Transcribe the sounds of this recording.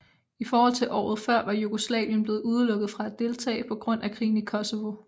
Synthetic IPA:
ifɒːhɒ̽l̰t͡sʰe̝lʔɒ̰ːð̞̩ˠfɶɐ̰ʋɑ̈juɡ̥o̝slɛ̰ːʋjənb̥le̝ːð̞̩ˠuð̞ˠəlɔ̽ɡ̥ð̩ˠfʁɑ̈ædd̥e̝lt͡sʰɛ̰ːɪpʰɒ̽ɡ̥ʁɔ̽n̰ʔækʰʁḭːn̩ikʰɒ̽soʋo̝

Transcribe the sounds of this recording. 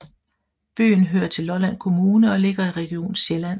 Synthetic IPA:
b̥y̰ːnɦøːɐt͡sʰe̝lːɒlæn̰kʰo̝muːnəɒ̽le̝ɡ̥ɐiʁɛɡ̥io̝̰ːn̩ɕjelæn̰

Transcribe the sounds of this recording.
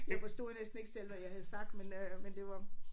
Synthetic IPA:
jɑɪfɒsd̥o̝nesd̥n̩e̝ɡ̥sel̰ʋæjɑ̈hæð̩ˠsɑ̈ɡ̥̚d̥menømend̥e̝ʋɑ̈

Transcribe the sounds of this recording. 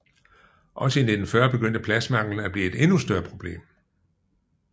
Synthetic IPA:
ʔɒ̽səinded̥n̩fɶɐ̰b̥e̝ɡ̥øn̰d̥əpʰlæsmɑ̈ŋ̰l̩n̩æb̥liːe̝d̥e̝nusd̥ɶɐpʰʁo̝b̥le̝̰ːm

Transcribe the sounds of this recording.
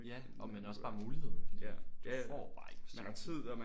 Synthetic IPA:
jæ | ɒ̽menɒ̽sɑ̈ːmuːlihe̝ð̰ˠd̥eɒ̰ːb̥ɑ̈ːeɡ̥smænhɑ̈t͡sʰið̰ˠɒmæ

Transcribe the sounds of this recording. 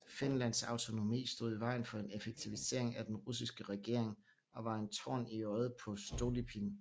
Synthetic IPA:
fe̝nlæn̰sɑ̈ʊt͡sʰo̝no̝mḭːsd̥o̝ð̞̰ˠiʋɑ̈ɪ̰n̩fɒ̽e̝nefeɡ̥̚t͡sʰiʋise̝̰ɐ̰e̝ŋæd̥enʁus̬isɡ̥əʁɛɡ̥e̝̰ɐ̰e̝ŋ | ɒ̽ʋɑ̈e̝nt͡sʰɒ̰ːniɒð̞̩ˠpʰɒ̽sd̥oːlipʰin

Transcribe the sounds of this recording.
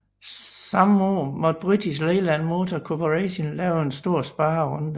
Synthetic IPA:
sɑ̈mɔ̰ːmɒ̽d̥̚b̥ʁyd̥is̬leːlænmo̝ːt͡sʰɒkʰopʰoʁɛɕenlɛːʊensd̥o̝ɐ̰sb̥ɑ̈ːɐʁɔ̽nd̥

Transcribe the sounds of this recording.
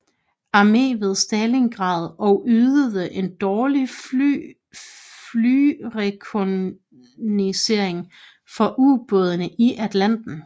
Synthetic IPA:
ɑ̈me̝̰ːʋe̝ð̞ˠsd̥ɛːle̝ŋɡ̥ʁɑ̈ːð̞ˠɒ̽ʊʔyːðˠəðˠəʔe̝nd̥ɒːli | lyʁɛkʰo | nise̝ɐ̰eŋ | fɒ̽ʔub̥ɔð̞ˠənəʔiʔæd̥læn̰d̥n̩

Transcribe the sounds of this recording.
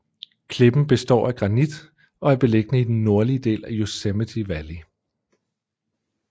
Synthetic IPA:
kʰle̝b̥n̩b̥e̝sd̥ɒ̰ːæɡ̥ʁɑ̈nid̥ | ɒ̽æɐb̥e̝le̝ɡ̥ənəid̥enːo̝ɐliəd̥e̝̰ːlæjosemət͡sʰiʋæli

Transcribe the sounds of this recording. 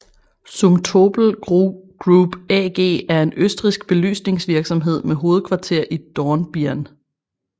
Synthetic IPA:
sumt͡sʰob̥l̩ɡ̥ʁub̥ɛɡ̥e̝̰ːæɐe̝nøsd̥ʁisɡ̥̚b̥e̝ly̰ːsne̝ŋsʋiɐɡ̥sɒ̽mɦe̝ð̞̰ˠmeɦo̝ːð̞̩ˠkʰʋɑ̈t͡sʰe̝ɐ̰ʔid̥ɒnb̥iæn

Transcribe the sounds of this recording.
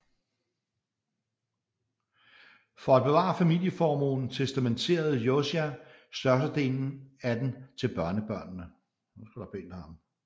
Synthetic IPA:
fɒ̽æd̥̚b̥e̝ʋɑ̰̈ːfæmil̰jəfɒːmo̝̰nn̩t͡sʰesd̥æment͡sʰe̝̰ːɐð̞̩ˠjosiæsd̥ɶɐs̬ɐd̥e̝̰ːln̩æd̥ent͡sʰe̝lb̥ɶɐnəb̥ɶɐ̰nːə | nusɡ̥æd̥ɑb̥e̝̰nd̥ɐhɑ̈m

